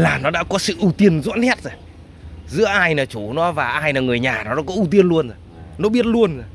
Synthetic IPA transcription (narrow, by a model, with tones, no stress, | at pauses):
laː˨˩nɔ˨˦ɗa̰ː˧˥kɔ˨˦sɨ̰˧˨ʔu˧t̪i˧ənzṵ˧˥nhɛ˦˥t̚zo˨˩j | zɨ̰˧˥əʔaː˧jnaː˨˩t͡ɕu˧˩nɔ˨˦vaː˨˩ʔaː˧jnaː˨˩ŋɨ˨˩əjɲaː˨˩nɔ˨˦ɗɔ̰˦˥kɔ˨˦ʔu˧t̪̬i˧ənlu˧ənzo˨˩jnɔ˨˦ɓi˦˥ət̚lu˧ənzo˨˩